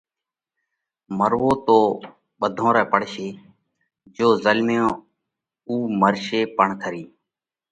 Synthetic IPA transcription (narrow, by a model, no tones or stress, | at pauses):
məɾʋoːt̪oː | ɓəd̪ʱõːɾɛːpəɽ̤ʃeː | d͡ʒoːzəlmeõː | uːməɾʃeːpəɳkʰəɾiː